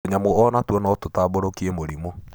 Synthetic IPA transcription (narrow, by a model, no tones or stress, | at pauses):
ɲamoɔnatwɔnɔtotaːboɾokiemoɾimo